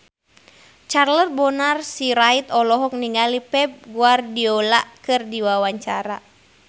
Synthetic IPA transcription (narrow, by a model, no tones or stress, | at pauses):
t͡ʃarlət̪̚bɔnarsiɾait̪ɔlɔɦɔk̚niŋɡalipɛp̚ɡuardiɔlaʔkɨrdiwawaɲt͡ʃaɾa